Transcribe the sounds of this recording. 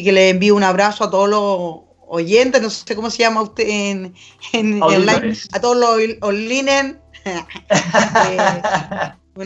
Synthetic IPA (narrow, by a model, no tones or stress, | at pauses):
keleembiounaβɾasoat̪oðolo | oʝent̪eɦnosekomoseʝamaut̪en | enlaat̪oðoloolinen